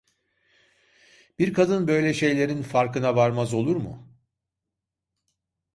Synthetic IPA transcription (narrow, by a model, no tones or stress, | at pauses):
b̥iɾkʰad̪ɯnbø̞jlʲɛʃe̞jlʲe̞ɾinfaɾkɯnavaɾmazo̞lˠuɾmʊ̰